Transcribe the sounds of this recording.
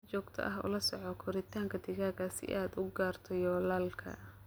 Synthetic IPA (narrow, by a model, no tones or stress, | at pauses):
t͡ʃɔːɡt̪ʰɐ̰ʔɐɦʊ̰lɐsɔʕɔkʰɔɾɪt̪ʰaːŋkʰɐd̪ɪɣaːɡɐsɪ̰ʔaːd̪ʊɡaːrt̪ʰɔjɔːlaːlkʰɐ̰